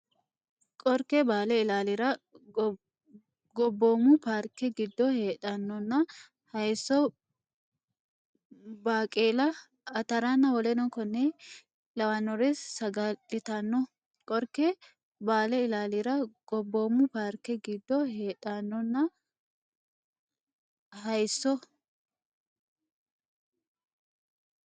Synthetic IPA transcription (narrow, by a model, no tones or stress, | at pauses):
kʼɔɾkɛbaːlɛɪlaːlɪɾɐ | ɡɔbːoːmʊpaːɾkɛɡɪd̪ːɔhe̞ːᶑɐnːɔnːɐ | hɐjsɔ | baːkʼeːlɐ | ɐt̪ɐɾanːɐwɔlɛnɔkɔnːɛ | lɐwɐnːɔɾesːɐɡɐᶑɪt̪ɐnːɔ | kʼɔɾkːɛ | baːlɛɪlaːliɾɐɡ̥ɔbːoːmːʊpaɾkɛɡɪd̪ːɔheːᶑɐnːɔnːɐ | ɦɐjsːɔ